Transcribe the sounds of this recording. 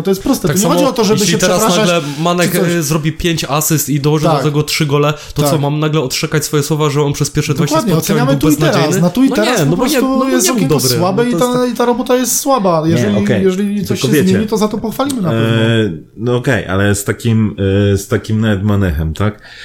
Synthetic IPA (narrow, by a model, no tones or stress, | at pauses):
t̪ɔjɛst̪pɾɔst̪ɛt̪ak̪sɲɛaxɔmɔd͡ʑiiɔt̪ɔʐɛjɛɘʃliɛt̪ʂɛɾasɾanaɡlɛmanɛkzɾɔbʲipʲjeɲt͡ɕasɨst̪id̪ɔwɔʐɨt̪d̪ɔt̪ɛɡɔtʂɨɡɔlɛt̪ɔɔmamnaɡlɛɔt̪t͡ʂɛkat͡ɕsfɔjɛswɔvaʐɛɔnpʂɛspʲjɛɾʂɛd̪vaʃwad̪ɲɛɔsɛɲamɨɨw̪bɛitnaɛd͡ʑɾaejsnɨnat̪uinɔɛɲɾanpɔɔpɾbɔsɲɛt̪ujɛst̪ɔd̪ɔbɾswabɛit̪ait̪aɾɔbɔt̪ajɛst̪swabajɛɛlʲikɛjjɛʐɛlʲisɔɕɔɛvjzɛmt͡ɕeɛɲit̪ɔzat̪ɔpɔxfalʲimɘnaɛɔ | nɔɔkɛjʔa̰lɛst̪akʲimst̪akʲimnavɛt̪manɛxɛmt̪ak